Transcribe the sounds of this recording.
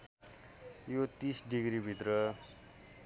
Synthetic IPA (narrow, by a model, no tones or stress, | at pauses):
jot̪isɖiɡɾibʱit̪rʌ